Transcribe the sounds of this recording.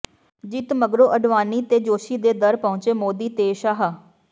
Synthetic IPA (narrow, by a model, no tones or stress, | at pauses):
d͡ʒɪt̪məɡɾoːʔəɖʋaːniːt̪eːd͡ʒoːʃiːd̪eːd̪əɾpɔ̃ʊ̃t͡ʃeːmoːd̪iːt̪eːʃaːɦaː